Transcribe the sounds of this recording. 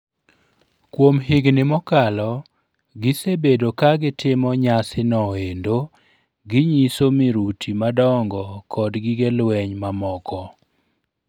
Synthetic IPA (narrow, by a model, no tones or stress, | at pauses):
kwomɦɪɡnɪmɔkalɔ | ɡɪsebedokaɡɪtʰɪmɔɲasɪnɔendo | ɡɪɲisomɪɾutʰimadɔŋɡɔkʰɔdɡɪɡelwɛɲmamɔkʰɔ